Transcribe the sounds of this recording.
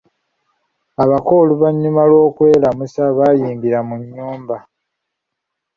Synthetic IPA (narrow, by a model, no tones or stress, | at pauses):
aβakoluβaɲːumalo̞ːkwe̞ːlamusaβajiːmbiɾamuɲːuːmba